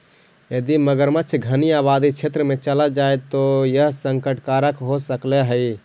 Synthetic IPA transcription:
jəd̪iməɡəɾmət͡ʃʰɡʱənijaβad̪it͡ʃʰet̪ɾəmet͡ʃələd͡ʒajt̪ojəɦsəŋkəʈkaɾəkɦosəkleɦəɪ

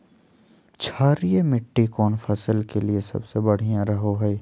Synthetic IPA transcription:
t͡ʃʰaːɾijemɪʈːikɔːnfɐsəlkeliesɐ̰bsebɐɽ̤ijãɾɐɦoɦɛː

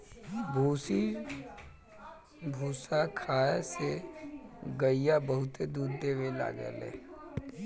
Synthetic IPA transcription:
bʱuːsi | bʱuːsakʰaːese | ɡəijabəɦʊt̪ed̪uːɾd̪eːʋela̰ːɡḛlḛ

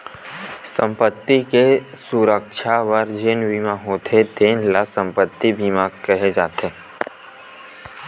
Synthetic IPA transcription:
sə̃mpət̪ːikesuɾəkʃʰaʋəɾd͡ʒɪnʋimaɦoːt̪ʰet̪eːnlasə̃mpət̪ːibʱimakəɦed͡ʒaːt̪eː

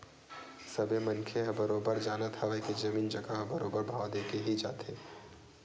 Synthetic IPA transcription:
sɐbemɐnkʰeɦɐbɐɾoːbəɾd͡ʒaːnat̪ʰɐʋəked͡ʒɐmiːnd͡ʒɐɡaɦbɐɾoːbəɾbʱaːwd̪eːkeɦid͡ʒaːt̪eː

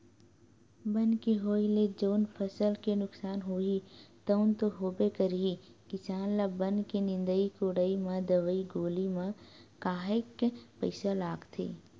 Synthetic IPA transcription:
bənkiɦoːiled͡ʒoːnpʰəsəlkenʊksaːnɦuit̪ənt̪oɦoːbekəɾiikɪsaːnlabənkinɪ̃nd̪əikoːɽəimãd̪əʋəiɡoːlimãkaːɦekpə̰ɪsalaːɡt̪ʰḭː

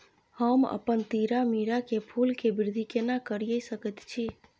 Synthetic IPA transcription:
həmə̰pənt̪iɾamiɾakepʰulkebiɾd̪ʱikenakəɾijəjsəkət̪t͡ʃʰi

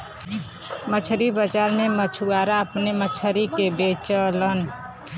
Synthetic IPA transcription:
mət͡ʃʰɾibət͡ʃaɾmẽmət͡ʃʰuɡaːɾaəpnemət͡ʃʰəɾikebet͡ʃələn

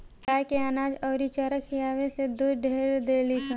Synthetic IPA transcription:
kaːkeanaːd͡ʒɔːɾit͡ʃaɾəkɦɪjaːʋesed̪oːɖeːɾd̪eːlisə̃

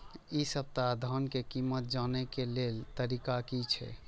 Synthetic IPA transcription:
isəb̚t̪ad̪ʱənkekimːət̪̚d͡ʒanɛkelelt̪əɾikakit͡ʃʰɛ̰

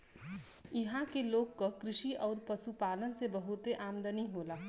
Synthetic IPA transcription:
ɪɦãkeloːɡkokɾɪʃiʔɔːɾpɐsupaːlənsebəɦʊt̪eʔaːmd̪əniɦoːlaː

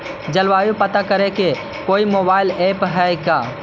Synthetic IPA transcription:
d͡ʒəlʋaːjũpət̪akəɾeke | koːimoːbaːɪleːpɦɛjkaː

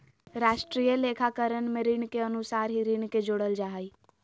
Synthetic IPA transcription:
ɾaːʃʈɾijəleːkʰakəɾənmẽɾɪɳkeənusaːɾɦiɾɪɳked͡ʒoːɽəld͡ʒaːɦai

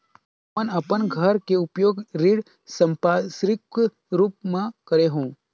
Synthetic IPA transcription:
pənɐpənɡʱɐɾkeʊpjoːɡɾiːɽ | sɐ̃mpaːsɾɪk | ɾuːp̚mẽkɐɾeɦõː

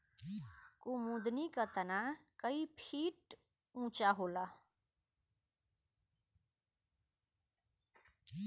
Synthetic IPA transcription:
kumũd̪nikat̪ənakəipʰiːʈ̚ | ũːt͡ʃaɦoːlaː

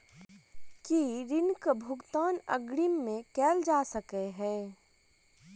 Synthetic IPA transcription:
kiɾɪnkəbʱʊɡt̪aːnɐ̰ɡɽimːẽkɛːld͡ʒaːsəkeɦɛː

